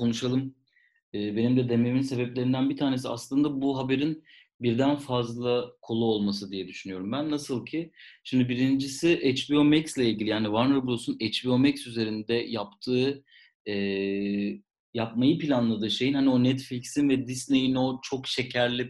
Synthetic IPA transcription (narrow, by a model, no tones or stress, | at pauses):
kʰo̞nuʃalˠɯm | ɛːbe̞nimd̪ɛd̪e̞meminse̞bɛplʲe̞ɾind̪ænbit̪ʰaːne̞s̬ia̰slˠɯnd̪abuɦabe̞ɾin | biɾd̪ænfazlˠakʰo̞lˠuolˠmasɯd̪ijɛd̪yʃynyjo̞ɾumbænːasɯlˠcʰiʃimd̪ibiɾind͡ʒisiʔɛt͡ʃbio̞mɛcslʲɛilʲɟilʲijaːnivaɾnɯɾbulˠosunet͡ʃbio̞mɛcsyze̞ɾind̪ɛjapt̪ʰɯː | ɛː | jap̚majɯpilʲanlˠad̪ɯːʃe̞jinhanio̞nɛt̪flʲicsinvɛd̪isne̞jino̞t͡ʃʰo̞kʃe̞cʰæɾlʲi